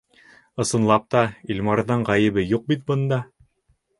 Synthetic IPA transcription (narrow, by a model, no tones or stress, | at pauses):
ɤ̆sɤ̆nlˠɑp̚t̪ɑilʲmɑɾðɤɴʁɑjɘ̆bɘjuq̚bit̪̚bɤ̆nd̪ɑ